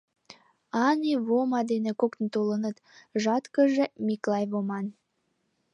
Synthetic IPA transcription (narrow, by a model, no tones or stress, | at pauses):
ɑniβomɑd̪enĕkokt̪̆nt̪olənə̆t̪ʒɑt̪kəʒĕmʲiklɑjβomɑn